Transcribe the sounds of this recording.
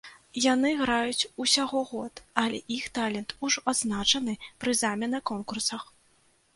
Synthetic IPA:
janɨɣɾajut͡sʲusʲaɣɔɣɔt̪ɐlʲɛʔixt̪alʲɛnt̪uʐɔad̪znat͡ʂɐn̪ɨpɾɨzamʲɛnɐkɔnkursɐx

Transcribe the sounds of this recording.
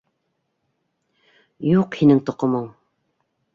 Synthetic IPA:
juqhinɘŋt̪ŏqŏmoɴ

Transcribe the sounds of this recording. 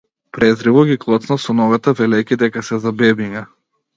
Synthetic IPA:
pɾɛzɾivɔɡʲiklˠɔt̪snasɔnɔɡat̪avɛlɛjkʲid̪ɛkasɛzabɛbiɲa

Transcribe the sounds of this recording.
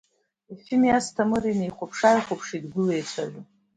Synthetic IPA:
ifimijastʰamɨrinejχʷʊpʰʂajχʷopʰʂidɡʷʊlejt͡ɕʷʰaʒʷʊ

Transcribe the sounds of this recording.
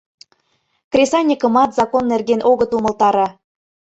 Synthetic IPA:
krʲesɑnʲikə̆mɑt̪zɑkonːerɡenʔoɣɤt̪umɤ̆lt̪ɑɾɑ

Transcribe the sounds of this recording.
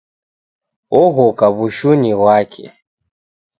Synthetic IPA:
ɔɣɔkaβuʃuniwakʰɛ̰

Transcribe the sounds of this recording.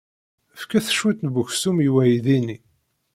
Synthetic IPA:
fkæθə̥ʃːut̪nvuçsumjwæjiðini

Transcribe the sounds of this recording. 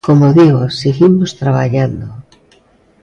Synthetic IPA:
komoðiɣosiɣimost̪ɾaβa̰ʎand̪o

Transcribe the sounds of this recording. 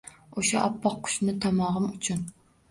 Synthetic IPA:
oʃɛʔɑpʰːɑqʰːʊ̥ʃnɪt̪ʰɑmɑʁɨmut͡ʃʰun

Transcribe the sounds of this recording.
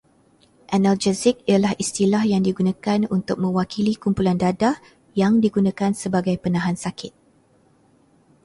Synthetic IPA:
ʔanald͡ʒɛsɪk̚ijalahist̪ilahjaŋdiɡunãkanunt̪ʊk̚mə̃wakilikumpulandada | jaŋdiɡunãkansəbaɡajpənãɦansakɪt̪̚

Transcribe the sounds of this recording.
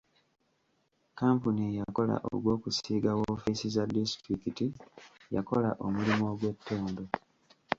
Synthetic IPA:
kaːmpuniejako̞la̰ʔo̰ɡwo̞ːkusiːɡawoːfisizadistɾikiti | jako̞la̰ʔomulimo̞ːɡwe̞tːoːndo̞

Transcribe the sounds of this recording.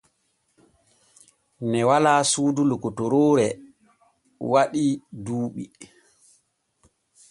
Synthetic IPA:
nɛwalaːsuːdulukɔtɔɾoːɾɛ | waɗiduːɓi

